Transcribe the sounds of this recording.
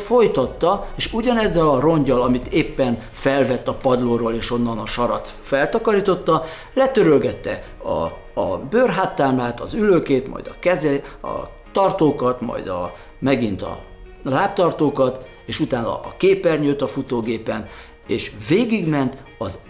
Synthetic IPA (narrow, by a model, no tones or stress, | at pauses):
fo̞jt̪ɒt̪ːɒeːʃuɟɒnɛzːɛlɒro̞ɲɟɒlɒmit̪eːpːɛn | fɛlvɛt̪ːɒpɒd̪loroːleːʃo̞nːɒnɒʃɒɾɒt̪ | fɛlt̪ɒkɒɾiːt̪o̞t̪ːɒ | lɛt̪øɾølɡɛt̪ːɛ̰ | ɒ̰ | ɒbøːrɦaːt̪ːaːmaːt̪ɒ̰zyløːkeːt̪mɒ̰jd̪ɒ̰kɛzɛɒ̰ | t̪ɒrt̪oːkɒt̪mɒ̰jd̪ɒ̰ | mɛɡint̪ɒ̰ | laːp̚t̪ɒrt̪oːkɒt̪ | eːʃut̪aːnɒ̰ːkeːpɛrɲøt̪ːɒfut̪oːɡeːpɛn | eːʃveːɡiɡmɛnt̪ | ɒz